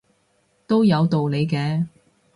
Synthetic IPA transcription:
t̪o˥wjɐ˨˧wt̪o˨wle˨˧jkɛː˧

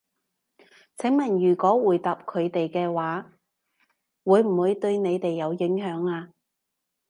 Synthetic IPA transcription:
t͡sʰɪ˨˥ŋmɐ˨˩njyː˨˩kɔː˨˥wuː˨˩jt̪aː˨p̚kʰɵ˨˧ɥt̪e˨jkɛː˧waː˨˥ | wuː˨˧jm̩˨˩wuː˨˧jt̪ɵ˧ɥne˨˧jt̪e˨jːɐ˨˧wjɪ˨˥ŋɦœː˨˥ŋaː˧

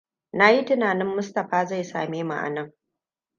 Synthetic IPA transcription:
na˦ji˦tɪ˦naː˨nɪ˦mːʊ˦stɐ˨ɸaː˦za˦˨jsa̰ː˨meː˦ma̰˨ʔa̰˨nɐ˦˨ŋ

